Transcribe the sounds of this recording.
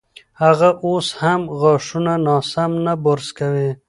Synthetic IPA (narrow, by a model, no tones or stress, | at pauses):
haɣaʔoshamɣɑʂunanɑsamnaboɾskawi